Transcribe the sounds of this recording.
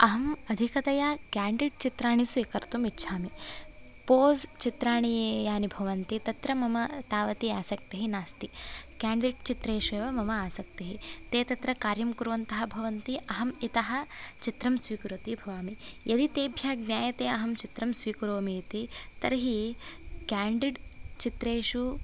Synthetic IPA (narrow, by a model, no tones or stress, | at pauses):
ɐɦɐmɐd̪ʱikɐt̪ɐjaːkaːɳɖiʈ̚t͡ʃit̪ɾaːɳ̃isʋiːkɐɾt̪umitːʃʰaːmi | poːzt͡ʃit̪ɾaːɳ̃ijeːjaːnibʱɐʋɐnt̪it̪ɐt̪ɾɐmɐmɐt̪aːʋɐt̪iaːsɐk̚t̪ɐɦinaːst̪ikaːɳɖiʈ̚t͡ʃit̪ɾɐːʃeːʋɐmɐmɐaːsɐk̚t̪ɐɦit̪eːt̪ɐt̪ɾɐkaːɾjɐmkuɾʋɐnt̪ɐɦɐbʱɐʋɐnt̪iɐɦɐmit̪ɐɦɐ̆t͡ʃit̪ɾɐmsʋiːkɾot̪ibʱɐʋaːmijʔɐd̪it̪eːbʱjaːɡnjaːjɐt̪eːɐɦɐmt͡ʃit̪ɾɐmsʋiːkɾoːmit̪it̪ɐɾɐɦikaːɳɖiɖt͡ʃit̪ɾeːʃu